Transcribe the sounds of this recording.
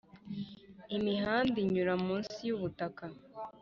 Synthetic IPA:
imiɦaːndiɲuɾamuːnsijuβutaka

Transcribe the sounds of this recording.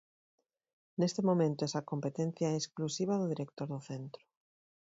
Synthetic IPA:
nest̪emomẽnt̪oɛsakompet̪en̟θjaesklusiβ̞aðʊðiɾekt̪oɾðʊθent̪ɾʊ̥

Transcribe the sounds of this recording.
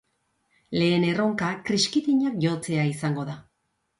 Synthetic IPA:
le̞ːne̞ro̞ŋkakɾiskit̪iɲakʝo̞t͡se̞aisaŋɡo̞ða

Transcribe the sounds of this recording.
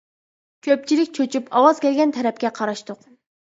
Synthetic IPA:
kʲʰøp̚t͡ʃʰilɪk̚ʲt͡ʃʰøt͡ʃʰypɑwɑz̥kʲɛlɡʲɛnt̪ʰɛɾɛp̚kʲɛqʰɑɾɑʃt̪ʊq

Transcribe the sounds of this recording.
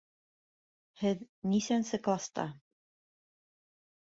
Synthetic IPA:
hɘð | nisænsɘklˠɑst̪ɑ̰

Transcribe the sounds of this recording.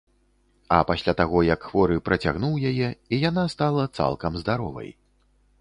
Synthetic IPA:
ɐpasʲlʲat̪aɣɔjɐkxvɔɾɨpɾɐt͡sʲa̰ɣnuwjajɛijanast̪alˠɐt̪sa̰lˠkɐmzd̪aɾɔvɐ̰j

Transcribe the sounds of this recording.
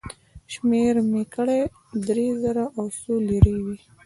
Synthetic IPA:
ʃmeɾmekəɽe | d̪ɾezaɾaʔawsoliɾəjwi

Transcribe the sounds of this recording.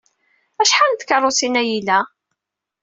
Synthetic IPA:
æʃħant̪kərˤːosinæjilæ

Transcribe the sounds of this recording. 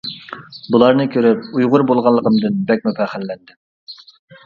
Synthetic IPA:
bulˠɑɾnɨkʲʰøɾyp̚ujʁʊɾbolˠʁɑlˠːəqəmd̪ɨnbɛk̚ʲmypæχælːɛnd̪ɪm

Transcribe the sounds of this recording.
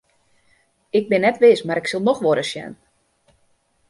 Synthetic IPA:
ɪk̚bɪnːɛtʋɪːsmaɾɪksəlˠnɔxʋoɾəsjɛ̰n

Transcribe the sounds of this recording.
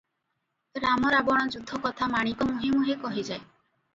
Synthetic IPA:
ɾamɔɾabɔɽ̃ɔd͡ʒud̪ʱːɔkɔt̪ʰamaɽ̃ikɔmuɦimuɦekɔɦid͡ʒaej

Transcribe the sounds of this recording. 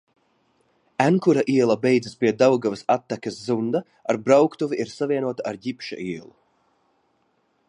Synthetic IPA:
ænkuɾaʔiɛlˠabɛjd̪zəspʲiɛd̪awɡavɐsat̪ːakʲɐszund̪a | aɾbɾawkt̪uviʔiɾsavʲiɛnuɔt̪aaɾjipʃa̰ʔiɛlˠu

